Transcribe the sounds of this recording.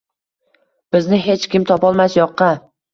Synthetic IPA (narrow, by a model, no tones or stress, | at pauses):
b̥ɪznɪɦe̞t͡ʃkʲɪmt̪ʰɒpɒlˠmasjɒqːɑ